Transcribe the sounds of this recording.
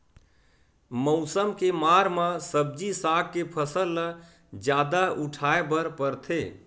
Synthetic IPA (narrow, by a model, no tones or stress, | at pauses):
mɔʊsəmkemaɾmãsəb̚d͡ʒisak̚kepʰəsəlː | d͡ʒjad̪aʔuʈʰaebəɾpəɾt̪ʰe